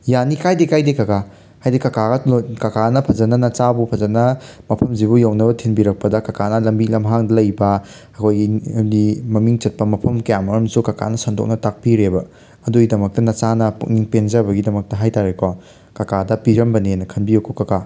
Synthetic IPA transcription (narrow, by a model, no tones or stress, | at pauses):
janikajdekajdekɐka | hajdekɐkaɡɐlokɐkanɐpʰɐzɐnɐnɐt͡ʃabupʰɐzɐnɐmɐpʰɐmzibujawnɐbɐtʰinbiɾɐk̚pɐdɐkɐkanɐlɐmbik̚lɐmɦaŋdɐlɐjbɐ | ɐkʰojɡidimɐmiŋt͡ʃɐt̚pɐmɐpʰɐmkɐjamɐɾɐmsukɐka̰nɐsɐndo̰k̚nɐtak̚piɾebɐ | ɐduɡidɐmɐk̚tɐnɐt͡ʃanɐpṵkniŋpenzɐbɐɡidɐmɐk̚tɐɦajtaɾekʰɔ | kɐkadɐpiɾɐmbɐnenɐkʰɐnbijokʰokɐka